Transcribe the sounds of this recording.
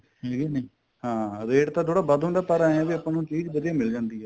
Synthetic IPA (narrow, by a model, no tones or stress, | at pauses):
heːɡinəiː | hãːɾeːʈt̪ãːt̪ʰoːɽaːbəd̪ɦʊ̃nd̪aːpəɾaːãːʋiəpãːnũːt͡ʃiːd͡ʒbəd̪ijaːmɪld͡ʒãːnd̪iːɦɛː